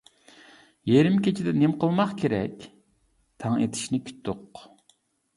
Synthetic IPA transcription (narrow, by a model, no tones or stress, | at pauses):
jeɾɪmkʲet͡ʃʰid̪ɛnemqəlˠmɑχkʲʰeɾɛ̰kʲ | t̪ʰɑŋḛt̪ʰɪ̥ʃnɪkʲʰy̥t̪ːoq